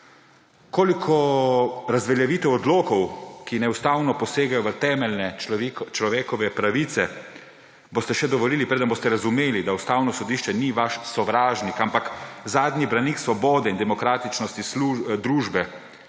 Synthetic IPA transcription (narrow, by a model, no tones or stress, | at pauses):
koːlikʰɔ | ɾazʋɛljaʋiːt̪ɛwɔd̪loːkɔwkinɛust̪aːwnɔpɔseːɡajɔʋət̪ɛːmɛlnɛt͡ʃlɔʋeːkɔʋɛpɾaʋit̪sɛ | bost̪ɛʃɛd̪ɔʋɔliːlipɾeːd̪ənboːst̪ɛɾazumeːlid̪aust̪aːwnɔsɔd̪iːʃt͡ʃɛniʋaʃsɔʋɾaːʒnikampakzaːd̪nʲibɾaniksʋɔbɔːd̪ɛind̪ɛmɔkɾaːt̪it͡ʃnɔst̪islud̪ɾuːʒbɛ